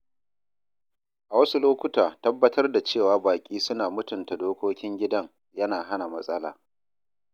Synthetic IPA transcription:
ʔa˨wɐ˦su˦loː˦kʷʊ˦taː˨tɐ˦bːɐ˦tʰɐ˦rda˨t͡ʃeː˦˨waː˦baː˨kʲʼiː˦sʊ˦naː˨mʊ˦tʊ˨nta˨doː˦kʷoː˦kʲɪ˦ŋɡʲɪ˦dɐ˦ŋ | jɐ˦naː˨ɦa˦na˨mɐ˦sʼɐ˦la̰ː˨

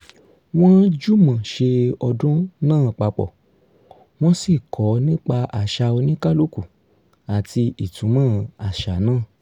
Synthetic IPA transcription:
w̃ɔ̃˦d͡ʒu˦mã˨ʃe˧ɔ˧dũ˦nãː˦˨k͡pa˧k͡pɔ̰˨ | w̃ɔ̃˦si˦˨kʰɔ˨˦nĩ˦k͡pa˧ʔa˨ʃa˧o˧nĩ˦ka˦˨lo˦ku˨ | a˨ti˧i˨tũ˨˦mãː˦a˨ʃa˨˦nãː˦˨

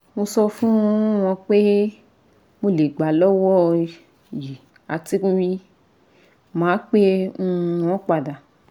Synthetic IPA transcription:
mo˧sɔ˧fũ˦w̃ɔ̃˧k͡pe˦ | mo˧le˨ɡ͡ba˨lɔ˦wɔ˦ | ji˨ | a˨ti˧kũ˧wi˧ | mãː˨˦k͡pẽ˦˧w̃ɔ̃˦k͡pa˨da˨

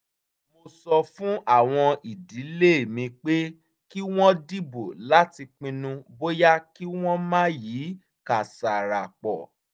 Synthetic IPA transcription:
mo˧sɔ˧fũ˦ʔa˦˨w̃ɔ̃˧ʔi˨di˨˦le˦˨mĩ˧k͡pe˦ | ki˦w̃ɔ̃˦di˦bo˨la˦ti˧k͡pĩ˧nũ˧bo˦ja˦ki˦w̃ɔ̃˦mãː˦ji˨˦ | ka˨sa˨ɾa˨k͡pɔ̰˨

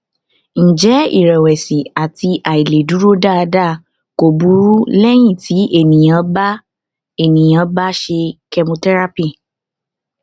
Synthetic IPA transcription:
n̩˨d͡ʒɛ˨˦ḭ˦˨ɾɛ˨wɛ˨si˨a˨ti˧ʔa˨i˨le˨du˨˦ɾo˦da˦˧da˦˨ | ko˨bu˨˦ɾu˦lɛ˦j̃ĩ˦˨ti˨˦ʔe˦˨nĩ˨j̃ã˨˦ba˦ | e˦˨nĩ˨j̃ã˨˦ba˦ʃe˧kɛ˧mõ˧tɛ˦ɾa˦pi˦˨

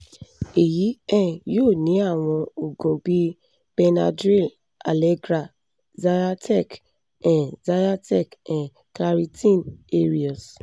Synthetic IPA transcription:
e˨ji˨˦ɛ̃˦˨jo˦˨nĩ˨˦a˦˨w̃ɔ̃˧o˨ɡõ˨bi˦ | b̥e˧na̰˧dɾi˦˨l | a˨le˦ɡɾa˨ | da˦ja˦tɛ˦˨k | ɛ̃˨da˦a˦tɛ˦˨kɛ̃˨ | kla˦ɾi˦tĩ˦˨ne˦ɾi˨ɔ˨s

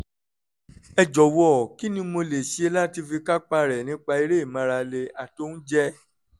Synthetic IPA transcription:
ɛ˧˨d͡ʒɔ˨wɔ˦˨ki˨˦nĩ˦mo˧le˨ʃi˨˦e˧˦la˦ti˧fi˧ka˦k͡pa˧ɾɛ˨nĩ˨˦k͡pa˧i˧ɾe˦i˦˨mã˨˧ɾa˧le˧a˨to˦n̩˦d͡ʒɛ˦

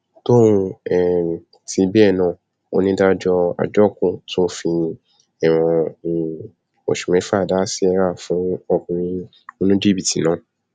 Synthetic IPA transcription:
to˦ũ˧ɛ˨ | tʰi˨˧˦bi˦ɛ˦˨nã˨ | o˧nĩ˧˦da˦d͡ʒɔ˧a̰˨d͡ʒɔ˦˨kũ˦tũ˦fi˧ | ɛ˨w̃ɔ̃˧˦˨ | o̰˨ʃu˨mɛ̃˨˦fa˦˨da˦si˦ɛ˧˦ɾa˦˨fũ˨˦ɔ˧kũ˧ĩ˦ | o˧nũ˦d͡ʒi˦bi˨ti˨nãː˨˦

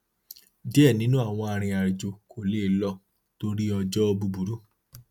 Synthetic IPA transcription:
dɛ˦˨nĩ˨˦nũ˦a˦˨w̃ɔ̃˧a˧ɾ̃ĩ˧a˨ɾi˨d͡ʒo˧kʰo˨le˦˨˦lɔ˧˨ | to˦ɾi˦ɔ˧d͡ʒɔ˦ɔ˧bu˧bu˨˦ɾu˦

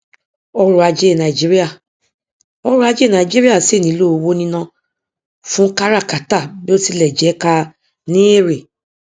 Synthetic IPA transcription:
ɔ˧ɾu˨a˧d͡ʒe˦˨nã˨i˨d͡ʒi˦ɾi˦a˦˨ | ɔ˧ɾu˧˦a˧d͡ʒe˦˨nã˨d͡ʒi˦ɾi˦a˦˨se˦˨nĩ˨˦lo˦˨˧wo˦nĩ˦nã˧ | fũ˦ka˦ɾa˦˨ka˨ta˦˨bi˦o˦ti˧lɛ˨d͡ʒɛ˨˦ka˧ | nĩ˦e˦˨ɾe˨

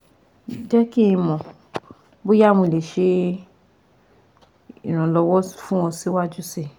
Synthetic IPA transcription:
d͡ʒɛ˦ki˦ĩ˧mɔ̃˨ | bo˦ja˦˨mũ˧˨le˨ʃe˧ | ĩ˨ɾ̃ã˨lɔ˧wɔ˦fũ˦w̃ɔ̃˧si˨˦wa˦d͡ʒu˦se˧

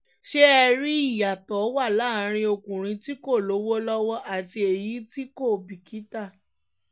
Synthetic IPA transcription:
ʃe˦ɛ˧ɾi˦i˦˨ja˨tɔ˨˦wa˦˨la˦˨˦ɾ̃ĩ˧o˧kũ˨ɾ̃ĩ˨˧ti˦ko˦˨lo˨˦wo˦lɔ˦wɔ˦ʔa˦˨ti˧e˨ji˨˦ti˦ko˦˨bi˨kʰi˨˦ta˦˨

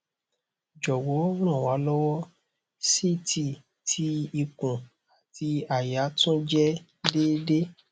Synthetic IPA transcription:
d͡ʒɔ˨wɔ˨˦ñã˦˨wa˨˦lɔ˦wɔ˦ | si˦tʰi˦˨ | tʰi˧˦i˧kũ˨ | a˨tʰi˧a˨ja˨˦tũ˦d͡ʒɛ˦ | de˦de˦

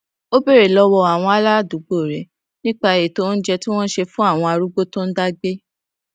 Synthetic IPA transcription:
o˦be˦˨ɾe˨lɔ˧wɔ˧a˨w̃ɔ̃˧a˨˦la˦˨du˨˦ɡ͡bo˦˨ɾɛ˨ | nĩ˦k͡pa˧e˨to˧˦n̩˦d͡ʒɛ˧tĩ˦w̃ɔ̃˦ʃe˧fũ˦a˦˨w̃ɔ̃˧a˧ɾu˦ɡ͡bo˦tõ˦n̩˦da˦ɡ͡be˦

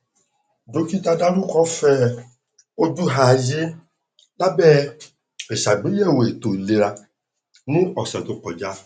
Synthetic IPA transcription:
do˨˦ki˦ta˧da˦lu˦kɔ˦fɛ˦ | o˦d͡ʒu˦ɦa˨d͡ʒe˦ | la˦bɛ˦ | e˨ʃa˨ɡ͡bĩ˨˦jɛ˦˨we˨t̪o˨le˨ɾa˧ | nũ˦ɔ˨sɛ˨d̪o˨˦kɔ˨d͡ʒa˦

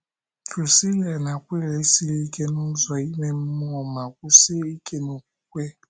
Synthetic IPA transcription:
ku˨si˦le˨na˨kʷe˦ɾe˦si˦ɾe˦ke˦nʊ˦zɔ˨i˦me˦m̩˦mu˦ɔ˨ma˨kʷu˦se˦i˦ke˦no˨k̚u̥˨˦kʷe˦

